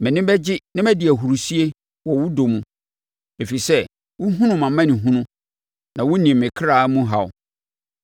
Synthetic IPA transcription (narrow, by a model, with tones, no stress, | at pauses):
mɪ̃˨nɪ̃˦bɛ˦d͡ʑɪ˦nã˦mæ˦dɪ˨æ˨ɦu˨ɾu˨si˦e˦ | wɔ˨wʊ˦do˨mũ˨ | e˨fi˨sɛ˦ | wʊ˦ɦũ˦nʊ̃˨mã˨˦mã˦nɪ̃˨ɦũ˦nʊ̃˦ | nã˨wʊ˦nĩ˨mɪ̃˨kʰɾaː˦mũ˦ɦa˨w